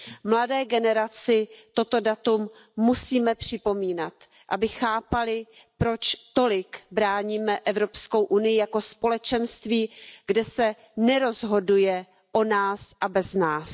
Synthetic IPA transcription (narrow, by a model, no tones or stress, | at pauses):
mladɛːɡɛnɛɾat͡sɪt̪o̞t̪o̞dat̪umː | usiːmɛpr̥ɪpo̞miːnat̪ | ʔabɪxaːpalɪ | pɾo̞t͡ʃt̪o̞lɪkbɾaːɲiːmɛʔɛvɾo̞psko̞wʔunɪjɪjako̞spo̞lɛt͡ʃɛnst̪viːɡdɛsɛ | nɛɾo̞zɦo̞dujɛ | ʔo̞naːsʔabɛznaːs